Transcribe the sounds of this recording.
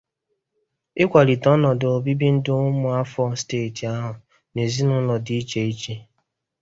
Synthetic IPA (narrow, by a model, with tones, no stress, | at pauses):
ɪ˦kʷa˨li˨tɔ˦nɔ˨do˨bi˦bi˦n̩˦dʊ˦ʊ˦mʊ˦a˦fɔ˦steː˦˨ti˨a˦ɦʊ˨ | ne˨zi˦nʊ˦lɔ˨dɪ˦i˦t͡ʃe˨i˦t͡ʃe˦